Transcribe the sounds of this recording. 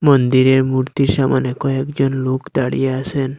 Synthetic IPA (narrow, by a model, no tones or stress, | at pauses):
mɔnd̪iɾeɾmuɾt̪iɾʃamanekɔekd͡ʒɔnlokd̪aɽḭjeasʰen